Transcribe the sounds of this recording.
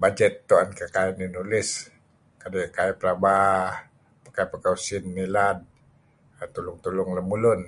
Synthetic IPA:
bad͡ʒɛt̪ːuankəkaininulɪs | kadekaipəɾabah | pakapəkausinːilad | t̪ulʊŋt̪ulʊŋləmulʊn

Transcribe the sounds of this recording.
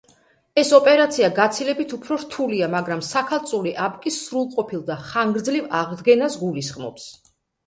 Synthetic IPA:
ɛsɔpʼɛɾat̪sʰiaɡat̪sʰilɛbit̪ʰupʰɾɔɾt̪ʰuliamaɡɾamsakʰalˠt̪sʼuliʔabkʼisɾulˠqʼɔpʰilˠd̪aχaŋɡɾd̪zlivaʁd̪ɡɛnasɡulisχmɔ̰ps

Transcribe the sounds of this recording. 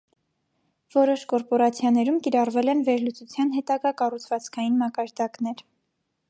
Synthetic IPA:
vɔɾɔʃkɔɾpɔɾɑt͡sʰjɑnɛɾumkiɾɑrvɛlɛnvɛɾlut͡sut͡sʰjɑnɦɛt̪ɑɡɑkɑrut͡sʰvɑt͡skʰɑjinmɑkɑɾd̪ɑkn̪ɛɾ

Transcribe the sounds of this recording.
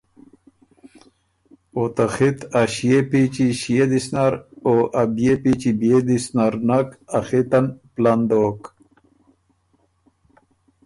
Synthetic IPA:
ot̪axit̪aɕijepit͡ɕiɕijed̪isnaɾoʔabjepit͡ɕibed̪isnaɾnakaxit̪anpland̪oːk

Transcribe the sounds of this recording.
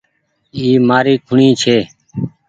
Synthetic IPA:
iːmaːɾiːkʰʊɳĩːt͡ʃʰeː

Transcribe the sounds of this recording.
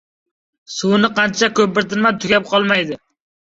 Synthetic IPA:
sʊwnɪqʰɑnt͡ʃʰakʰɵp̚bɪɾt̪ɪnmat̪ʰʊkʲap̚qʰɒlˠmajd̪ɪ

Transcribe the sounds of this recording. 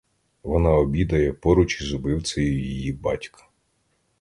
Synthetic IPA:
ʋɔnɑɔbʲid̪ɐjɛpɔɾʊt͡ʃizɔbɪw̪t͡sʲɐjʊjijibɑ̰tʲkʰɐ̥

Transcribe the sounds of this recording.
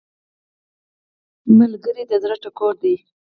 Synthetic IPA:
malɡəɾid̪əzɾaʈakoɾd̪i

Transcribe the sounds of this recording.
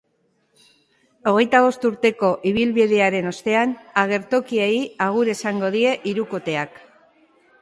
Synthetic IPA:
o̞ɣ̞e̞jt̪aβo̞st̪uɾt̪e̞ko̞ʔiβ̞ilβiðe̞aɾe̞no̞st̪e̞anaɣ̞e̞ɾt̪o̞kieiaɣ̞uɾe̞saŋɡo̞ðie̞ʔiɾuko̞t̪e̞ak

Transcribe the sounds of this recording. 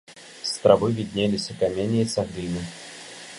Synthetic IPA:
st̪ɾɐvɨvʲɪd̪ʲnʲelʲɪsʲəkɐmʲenʲɪjət̪sɐɣɾʲinɨ

